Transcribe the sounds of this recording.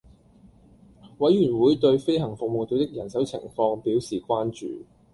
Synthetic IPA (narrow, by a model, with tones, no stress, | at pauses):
wɐ˨˥jɥyː˨˩nwuː˨˥jt̪ɵ˧ɥfe˥jhɐ˨˩ŋfʊ˨k̚mo˨wt̪o˧wt̪ɪ˥k̚jɐ˨˩nsɐ˨˥wt͡sʰɪ̰˨˩ŋfɔː˧ŋpiː˨˥wsiː˨kʷaː˥nt͡ʃy̰ː˨